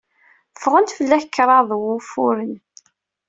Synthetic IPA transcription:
fʁənt̪fəlːæçkːɾˤɑðˤwʊfʊɾən

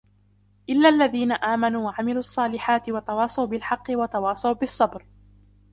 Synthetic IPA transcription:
ʔɪlːaːʔlːaðiːnaʔaːmanuːwaʕamɪluːʔɑsˤːɑːlɪħaːt̪ɪwɑt̪ɑwɑːsˤɑwbɪlħɑqːɪwɑt̪ɑwɑːsˤɑwbɪsˤːɑbɾ

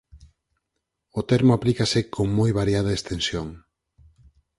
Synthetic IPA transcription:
ʊt̪ɛɾmʊaplikɐsɪkʰoŋmojβaɾjað̞ɐest̪ensjoŋ

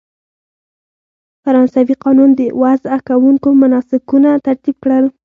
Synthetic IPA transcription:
faɾɑnsawiqɑnund̪əwazakawuŋkomanɑsɪkunat̪aɾt̪ib̚kɽəl

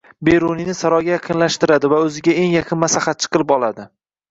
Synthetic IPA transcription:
beɾuninɪsaɾɒjɡʲajaqʰɨnlaʃt̪ɪɾad̪ɪvaɵzɪɡʲae̞ŋjaqʰɨnmaslahat̪̚t͡ʃʰɨ̥qɨlˠɪpɒlˠad̪ɪ

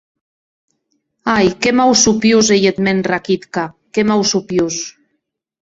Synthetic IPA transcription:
ajkemawsupjuzejet̪menrakit̪ka | kemawsupjus

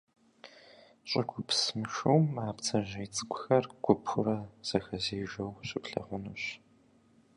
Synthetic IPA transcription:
ɕʼɪɡʷʰʊpsmɨʃuwmaːpt͡sʰɐʒejt͡sʼɨkʷʊxɐrɡʷʊpʰʊɾɐz̥ɐxɐzeːʒʷɐwɕʼɪpɬɐ̰ʁʷʊnuɕ

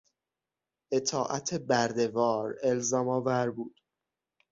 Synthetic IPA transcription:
ʔe̞t̪ʰɒːʔæt̪ʰebæɾd̪e̞vɒːɾe̞lzɒːmɒːvæɾbuːd̪̥

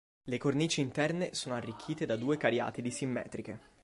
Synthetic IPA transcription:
lekorniːt͡ʃiːnt̪ɛrnesoːnoarːikʰːiːt̪ed̪ad̪uːekaɾja̰ːt̪id̪isimːɛ̰ːt̪ɾike

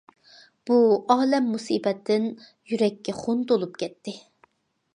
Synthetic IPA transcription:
b̥uɑːlɛmːusiːbɛt̪ʰːɪn | jyɾɛkʲːɛχont̪olˠupkʲʰɛt̪ʰːɪ

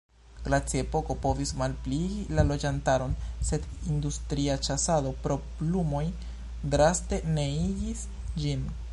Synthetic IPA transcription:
ɡ̥ɾat͡sie̞po̞ko̞po̞vismalpliɡilalo̞d͡ʒantaɾo̞nse̞dindustɾiat͡ʃasado̞pɾo̞plumo̞j | dɾaste̞ne̞iɡis | d͡ʒin

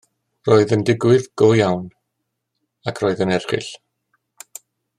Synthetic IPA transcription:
roːɨðəndɪɡwɪðɡ̥ojawn | akʰr̥oːɨðənɛrχɪ̰ɬ

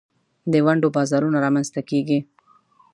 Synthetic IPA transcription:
d̪əwaɳɖobɑzɑɾunaɾɑmanzt̪akeɡi

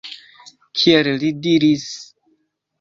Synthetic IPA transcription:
kʰiellidiɾis

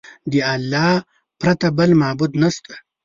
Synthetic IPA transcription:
d̪iɐlːɑː | pɾɐt̪ɐbɐlmaːbud̪nɐst̪ḁ

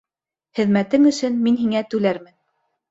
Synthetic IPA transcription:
χɘ̆ðmæt̪ɘŋɵ̆sɵnminɦiŋæt̪ʉlæɾmɘn

